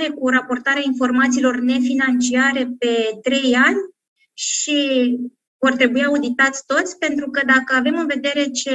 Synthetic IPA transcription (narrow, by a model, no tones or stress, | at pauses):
ɾe̞kuɾapo̞rt̪aɾeainfo̞rmat̪siːlo̞rne̞finant͡ʃiaɾe̞pe̞t̪ɾe̞janʲ | ʃi | vo̞rt̪ɾe̞buiaud̪it̪at̪sʲt̪o̞t̪sʲpe̞nt̪ɾukəd̪akəave̞mɨnve̞d̪e̞ɾe̞t͡ʃe̞